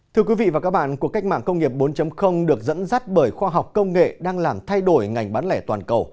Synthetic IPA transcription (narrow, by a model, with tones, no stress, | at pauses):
t̪ʰɨ˧əkwi˨˦vḭ˧˨vaː˨˩kaː˦˥k̚ɓa̰ː˧˨nku˧˩əka˦˥k̟̚ma̰ː˧˨ŋkə˧wŋ͡mŋi˨˩əp̚ɓo˨˦nt͡ɕə˨˦mxə˧wŋ͡mɗɨ˨˩ək̚zə̰˧˥nza˦˥t̚ɓəː˧˩jxwaː˧ɦa˨˩wk͡p̚kə˧wŋ͡mŋḛ˧˨ɗaː˧ŋlaː˨˩mt̪ʰa˧jɗo˧˩jŋa˨˩jŋ̟ɓaː˨˦nlɛ˧˩t̪waː˨˩nkə˨˩w